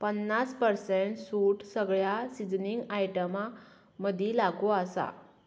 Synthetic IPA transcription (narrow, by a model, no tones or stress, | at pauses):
pənːaspəɾseɳʈsuːʈsəɡɭjasid͡zniŋɡajʈəma | məd̪ʱilaɡoasa̰